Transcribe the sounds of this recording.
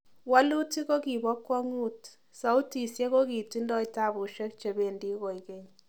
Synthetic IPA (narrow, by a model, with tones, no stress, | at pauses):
wa˦lu˦ti˦ko˦ki˨bɔ˦kːwɔ˦ŋu˦t | sa˨˦u˦ti˨sje˦ko˦ki˨ti˦ndɔ˦jta˦˨bu˨ʃe˦k̚t͡ʃe˨be˨ndi˦ko˨jkɛ˦ɲ